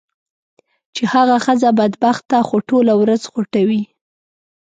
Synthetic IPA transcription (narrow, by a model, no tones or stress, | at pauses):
t͡ʃehaɣaxəzabad̪baxt̪ːaxoʈolawɾazxʊʈawi